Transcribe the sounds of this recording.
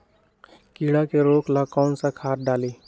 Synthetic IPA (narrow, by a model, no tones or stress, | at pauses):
kiːɽakeɾoːklakɔːnsakʰaːt̪̚ɖaːliː